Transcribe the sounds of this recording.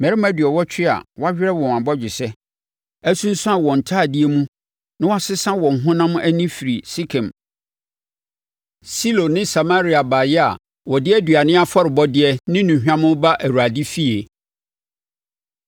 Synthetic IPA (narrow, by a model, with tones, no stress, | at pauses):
mɛ˨ɾi˦m˦æ˦dɥɛ˨wɔ˦t͡ɕᶣʰɪ˦a̰˨wa˦hᶣɪ˦ɾɛ˦wɔ̃˨m˨ã˨bɔ˦d͡ʑᶣɪ˨sɛ˦ | æ˦sũ˦n̩˦sʊ̃˦a˨wɔ̃˨n̩˨tʰaː˦˨dɪ˦e˦mũ˦ | nã˦wa˦sɪ˦sã˦wɔ̃˨ŋ̩˨ɦʊ̃˦nã˦mʊ̃˦ʔæ˦nĩ˦fi˨ɾi˨si˦kʰɛ̃˨m | si˦lo˨nɪ̃˦sa˨ma˦ɾi˨˦a˨ba˨jɛ˦a̰˨ | wɔ˨dɪ˦ɛ˦dɥa˨nɪ̃˦a˦fɔ˦ɾɪ˨bɔ˦dɪ˦ɛ˦nɪ̃˦nũ˨ɦᶣã˦mʊ̃˦ba˦ʔæ˨ɾu˨a˨di˦fi˦e˨